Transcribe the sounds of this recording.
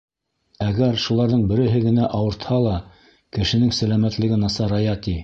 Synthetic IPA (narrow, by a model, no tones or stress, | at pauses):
æɡæɾʃulˠɑɾðɤɴbɘ̆ɾɘ̆ɦɘɡɘ̆næʔɑwɤ̆ɾt̪hɑlˠɑ | kɘ̆ʃɘ̆nɘŋsælæmæt̪lɘ̆ɡɘnɑsɑɾɑjɑt̪i